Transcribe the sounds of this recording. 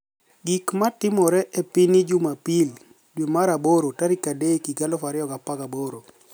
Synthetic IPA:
ɡikmatɪmɔɾɛʔepinɪd͡ʒumapil | dwemaɾaboɾotaɾikadekiɡalɔfaɾɪɔɡapakaboɾo

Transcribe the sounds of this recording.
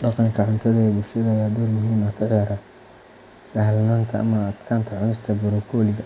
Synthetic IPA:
ɖɑqɑŋkʰɐʕʊnt̪ʰɐðɐɛbʊlʃɐðɐjaːd̪ɔlmʊɦiːmɐkʰɐʕɛɾɐ | sɐɦlnaːnt̪ʰɐʔɐ̰mɐːd̪kʰaːnt̪ʰɐʕʊnɪst̪ʰɐbʊɾɔkʰɔːlɪɣɐ

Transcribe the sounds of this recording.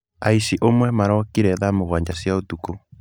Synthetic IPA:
a̰isiʔomwɛmaɾaakiɾɛðamoɣwaɲd͡ʑasjaotuko

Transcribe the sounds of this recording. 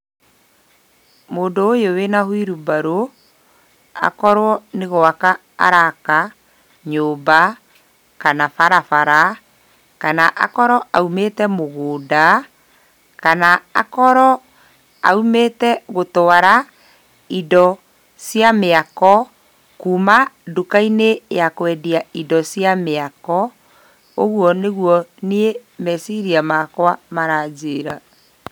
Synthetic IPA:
moːndoːjowenahwiɾubaɾo | a̰kɔɾwɔneɣoaka | a̰ɾaka | ɲoːba | kanafaɾafaɾa | kanaʔa̰kɔɾɔʔaumetɛmoɣoːda | kanaakɔɾɔ | a̰umetɛɣotɔaɾa | idɔ | sjameakɔ | kumadukainejakwɛdiaidɔsjameakɔ | oɣwɔneɣwɔniemɛsiɾiamakwamaɾad͡ʒeɾa

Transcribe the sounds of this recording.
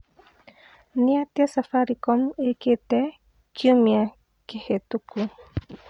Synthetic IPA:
niat̪iasafaɾikomeket̪e | kumia | kehet̪uku

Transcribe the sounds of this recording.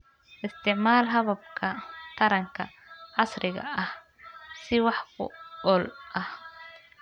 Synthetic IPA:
ʔɪst̪ʰɪʕmaːlɦɐβɐb̚kʰɐk̪ʰɐɾɐŋkʰɐ̰ | ʕɑsɾʔɪɣɐ̰ɐh | sɪwɑħkʰʊ̰ɔlʔɐh

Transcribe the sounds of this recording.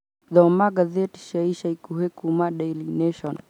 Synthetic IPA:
ðɔmaɡazɛti̥ʃaiʃaikuɦekumaɗajlinɛʃɔn

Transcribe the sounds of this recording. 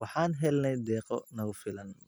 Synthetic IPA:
wɑħɑːnɦɛlnɛjd̪ɛːqɔ̰nɐɣʊfɪlɐn

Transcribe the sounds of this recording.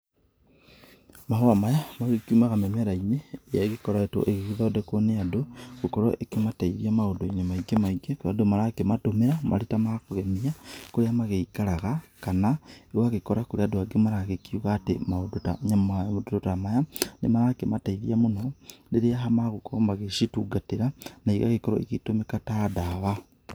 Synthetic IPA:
mahoamajamaɣekjumaɣamemeɾaiɲeːjaeɣekoɾaeto̰ʔeɣeɣiðodekoneadoɣukoɾo̰ʔekemataiɾiamaodoeɲamaiɡemaiɡekadomaɾakematomeɾamʔa̰litamakoɣemiakoɾeamaɣeikaɾaɣakanaewaɣekoɾakoɾeadoaɡemaɾaɣekiuɣatemaodota̰ɲamaodototamajanemaɾakemataiɾḭamonondeɾeaɦamaɣukoomaɣeʃituːɡateɾanaiɣa̰ɣekoɾɔ̰ekitomekatadaβa

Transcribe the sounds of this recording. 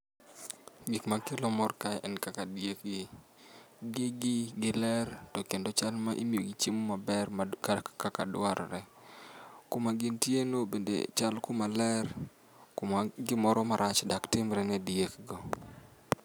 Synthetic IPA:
ɡikmakelomɔrkajɛnkakadiekɡɪ | ɡɪɡɪɡɪlɛrtɔkendot͡ʃalmaʔḭmioɡit͡ʃimumabɛrmakkaka̰dʊaɾɾɛ | kʊmaɡɪntjenobendḛt͡ʃalkʊmalɛr | kʊmaɡɪmɔɾɔmaɾʔat͡ʃdaktɪmɾɛnɛdiekɡɔ

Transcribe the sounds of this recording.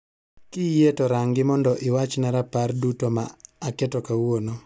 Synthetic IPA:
kɪjetɔɾaŋɡɪmɔndɔʔɪwat͡ʃnaɾapardutomaːkɛtɔkawono

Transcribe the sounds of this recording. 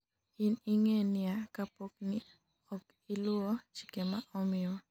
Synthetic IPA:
iniŋenɪakapok̚ni | ɔk | ilʊɔt͡ʃi̥kemaʔɔmɪɔ

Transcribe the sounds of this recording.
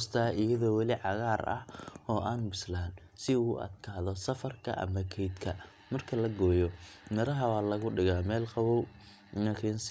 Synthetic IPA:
st̪ʰaːɪjɐðɔːwɑlɪʕɑɣaːrʔɐ̰hɔːʔaːnbɪslaːn | sɪuːʔɐ̰d̪̚kʰaːðɔsɐfɐrkʰɐ̰ʔɐ̰mɐkʰɛjd̪kʰɐ | mɐrkʰɐlɐɡɔːjɔmɐɾɐɦɐwaːlɐɣʊɖɪɣaːmɛːlqɑwɔw | nɐkʰiːns

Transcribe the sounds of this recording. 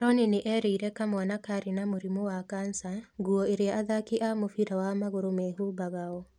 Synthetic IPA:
ɾɔneneʔɛɾeiɾɛkamwanakaɾinamoɾimowakansaŋɡuɔeɾeaʔaðakiʔamofiɾawamaɣoɾomɛɦubaɣaɔ

